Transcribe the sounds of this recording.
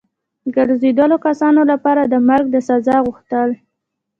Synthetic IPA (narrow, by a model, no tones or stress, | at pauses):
d̪əɡəɾzed̪əlokasɑnolapɑɾad̪əmaɾɡ̚d̪əsazɑɣuxt̪əl